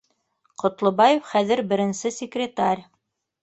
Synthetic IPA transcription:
qŏt̪lˠŏbɑjofχæðɘɾbɘ̆ɾɘ̆nsɘsʲɪkrʲɪt̪arʲ

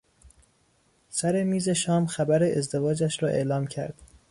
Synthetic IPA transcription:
sæɾe̞miːze̞ʃɒːmxæbæɾe̞ʔezd̪e̞vɒːd͡ʒæʃɾɒːʔe̞̰ʔlɒːmcʰæ̰ɾd̪̥

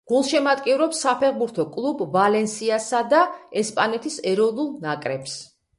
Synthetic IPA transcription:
ɡ̥ulˠʃɛmat̪ʼkʼivɾɔpsːapʰɛʁbuɾt̪ʰɔkʼlˠubvalɛnsiasad̪aɛspʼanɛt̪ʰisɛɾɔnulˠnakʼɾɛps

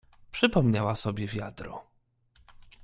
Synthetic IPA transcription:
pʂɘpɔmɲawasɔbʲjɛvʲjad̪ɾɔ̰

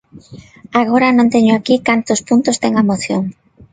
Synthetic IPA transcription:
aɣoɾanõnt̪eɲʊakikant̪ʊspunt̪ʊst̪ɛŋamoθjoŋ

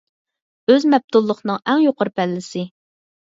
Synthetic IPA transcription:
øzmɛb̚t̪ʰulˠːəχnɨŋɛŋjoqəɾpʰɛlːɪsɪ

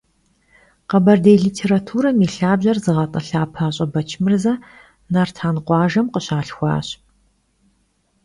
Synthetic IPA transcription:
qɐbɐrdejɮiːtʰeːɾatʰuːɾɐmiːɬaːbʑɐrzɨʁɐtʼɐɬaːpʰaːɕʼɐbɐt͡ʃʰmɨrzɐ | nartʰaːnqʷɑːʒɐmqəɕaːɬxʷɑ̰ːɕ

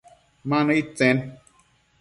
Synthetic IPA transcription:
manəit͡sɛn

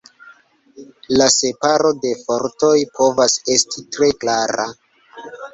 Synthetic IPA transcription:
lase̞paɾo̞de̞fo̞ɾto̞jpʰo̞vase̞stʰitɾe̞klaɾa

